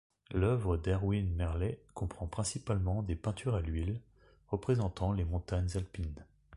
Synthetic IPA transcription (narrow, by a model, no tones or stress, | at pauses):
lœvʁəd̪ɛʁwinmɛʁlɛkɔ̃pχɑ̃pχɛ̃sipalmɑ̃d̪epɛ̃t̪ʰyʁalɥil | ʁəpχezɑ̃t̪ɑ̃lemɔ̃t̪aɲzalpin